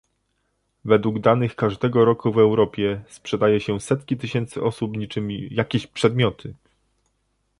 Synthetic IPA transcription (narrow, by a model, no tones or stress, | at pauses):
vɛd̪wuɡd̪anɘxkaʐd̪ɛɡɔɾɔkuvɛwɾɔpʲjɛspʂɛd̪ajɛɕɛsɛt̪kʲit̪ɘɕɛnt̪sɘʔɔsupɲit͡ʂɘmʲijakʲeɕpʂɛd̪mʲjɔt̪ʰɘ